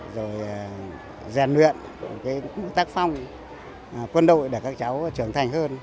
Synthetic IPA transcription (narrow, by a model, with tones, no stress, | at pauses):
zo˨˩j | zɛ˨˩nlwḭ˧˨ən˨˩ | kaː˨˦jk̚ːt̪aː˦˥k̚fa˧wŋ͡m | kwə˧nɗo̰˧˨jɗe˧˩kaː˦˥k̚t͡ɕa˨˦wt͡ɕɨ˧˩əŋt̪ʰa˨˩jŋ̟həː˧n